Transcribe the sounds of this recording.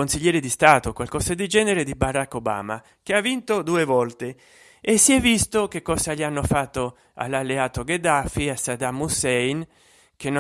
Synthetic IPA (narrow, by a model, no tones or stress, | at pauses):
onsiʎːɛːɾed̪ist̪aːt̪okwalkɔsed̪id͡ʒɛːneɾed̪ibaɾakːoba̰ːma̰ | k̟eavːint̪od̪uːevɔlt̪e | esːiɛvːist̪ok̟ekːɔːsaʎianːofat̪ːo | a̰lːalːeaːt̪oɡed̪afiasad̪amːusɛjn | k̟en